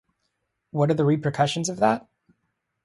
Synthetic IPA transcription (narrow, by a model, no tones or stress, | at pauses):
wʌɾə˞ðəɹipʰɹ̥ɨkʰʌʃɨ̃n̩zʌvðət̚